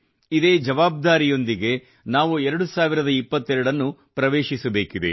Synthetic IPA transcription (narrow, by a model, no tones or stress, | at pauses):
id̪e̞ːd͡ʒɐʋaːb̚d̪aːɾijo̞nd̪iɡe̞ | naːʋuɛɾɐɽusaːʋiɾɐd̪ɐipːɐt̪ːɛɾɐɽɐnːupɾɐʋe̞ːʃisɐbe̞ːkid̪ḛ